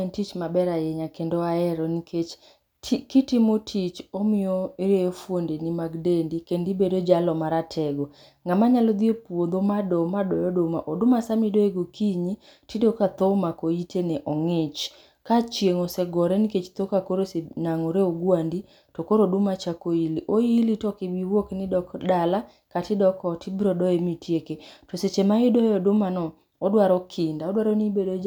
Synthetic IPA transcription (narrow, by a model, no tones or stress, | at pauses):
ntit͡ʃmabɛɾajɛɲakendoaɛɾɔniket͡ʃʰ | kitimotʰit͡ʃɔmɪjɔɾejɔfwondenimaɡdendikendibedod͡ʒalɔmaɾatʰɛɡɔ | ŋamaɲalɔd̪iopwod̪omadɔmadɔjɔdomaʔodʊmasamidoeɡokʰiɲi | tidokat̪ɔmakoitʰenɛʔɔŋɪt͡ʃ | kat͡ʃjeŋɔsɛɡɔɾɛniket͡ʃt̪okakoɾosenaŋɔɾeoɡwandi | tokoɾodʊmat͡ʃakoiliʔoilitɔkiwiwoknɪdɔkdala | katɪdɔkɔtɪbɾɔdɔemitjeketoset͡ʃemaidɔjɔdʊmanɔː | dwaɾɔkʰɪndaɔdwaɾɔnibedod͡ʒ